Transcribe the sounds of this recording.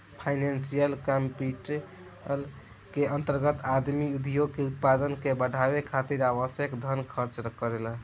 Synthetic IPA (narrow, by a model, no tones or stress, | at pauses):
pʰajnansijəlkəmpiʈ | l | keənt̪əɾɡət̪ad̪miud̪ʱijoɡ̚keut̪̚pad̪ənkebəɖʱabekʰat̪iɾaβəsjəkd̪ʱənkʰəɾt͡ʃɾkəɾel